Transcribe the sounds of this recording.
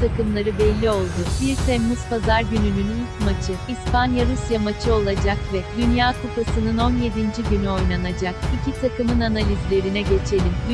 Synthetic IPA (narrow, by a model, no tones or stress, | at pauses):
t̪ʰakɯmlˠaɾɯbɛlʲːio̞lˠd̪ub̥iɾt̪ʰɛmːyz̥pazaɾɟynynynyytmat͡ʃʰɯispanjaɾusjamat͡ʃʰɯo̞lˠad͡ʒakvɛd̪ynjaːkʰupasɯnɯno̞nje̞d̪ind͡ʒiɟynyo̞jnanad͡ʒakicʰit̪ʰakɯmɯnanalʲizlʲe̞ɾinɛɟe̞t͡ʃʰe̞lʲin